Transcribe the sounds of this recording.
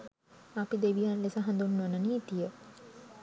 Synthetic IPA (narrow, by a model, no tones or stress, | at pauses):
apid̪eʋijanlesaɦãnd̪unːʋənaniːt̪ijə